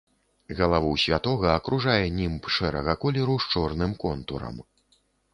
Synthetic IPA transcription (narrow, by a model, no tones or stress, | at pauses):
ɣɐlˠavuwsʲvʲat̪ɔɣɐːkɾʔuʐajɛnʲimpʂɛɾɐɣɐkɔlʲɛɾuʂt͡ʂɔrnɨmkɔnt̪uɾɐ̰m